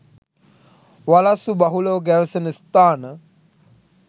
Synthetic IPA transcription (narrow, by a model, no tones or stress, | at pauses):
ʋalasubɐɦuloɡæʋəsənəst̪aːnə